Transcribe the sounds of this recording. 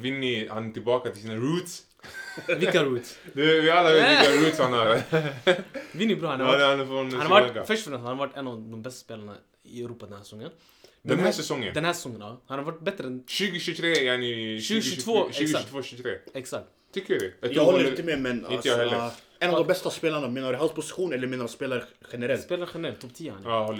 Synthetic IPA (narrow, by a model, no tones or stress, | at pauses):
ʋɪnːəhɑnt̪ʰɪlbɑːkat̪ʰɪlsiːnəɾuːt̪s | ʋɪkːaɹuːt̪sd̪ɛʋɪɑlːəʋeːt̪ʋɪkːaɾuːt̪shɑnhɑɾ | ʋɪnjəbɾuːhɑnd̪ɛhɑnfɔnd̪akafœʂʈfɔɾɛnɑɾʋaʈːɛnɑʋd̪ɔmbɛst̪ə̥speːləɳə̰ | ɪœʉɾuːpɑd̪ɛnhæːssɔŋːən | d̪ɛnhæsɛsɔŋːə̰nd̪ɛnhæːsɛ̥sɔŋːənɑhɑːɾʋaʈːbɛt̪ɾəɛnʃʉːɡəʃʉt̪ʰɾeːjɛnʏʃʉːɡəʃʉːt̪ʰvoːʃʉːɡʃʉt̪ʰvoːʃʉt̪ʰɾḛːɛksak̚t̪ʰːʏkːəɾjad̪ɛɛt̪ːhɔlːɾɪt̪əmɛmɛnɪnt̪əjɑhɛlːə | ɛnɔvd̪ɔmbɛst̪aspeːlaɳameːnaɾɦalt̪pʰʊsɪ̥ɧuːnɛlːəɾmeːnɾanspeːlaɾɧɛnəɾɛltspeːlaɾxɛnɾɛlt̪ʰɔpt̪ʰiːaha̰njhɔ